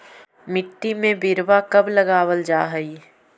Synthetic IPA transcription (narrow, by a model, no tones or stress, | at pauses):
mɪʈːimẽbɪɾʋakɐblɐɡaːwəld͡ʒaːɦəi